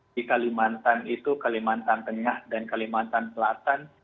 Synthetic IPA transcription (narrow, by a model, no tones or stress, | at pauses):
ikalimant̪anit̪ukalimant̪ant̪əŋahdankalimant̪ansəlat̪an